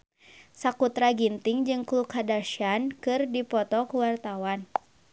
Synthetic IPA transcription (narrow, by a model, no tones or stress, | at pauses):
sakut̪ɾaɡint̪iŋd͡ʒɨŋklukadaʃankɨrdipɔt̪ɔkuwart̪awan